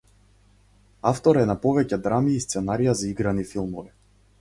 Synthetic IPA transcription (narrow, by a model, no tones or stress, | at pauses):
aft̪ɔɾɛnapɔvɛcɛd̪ɾamiːst̪sɛnaɾijazaiɡɾanifilˠmɔvi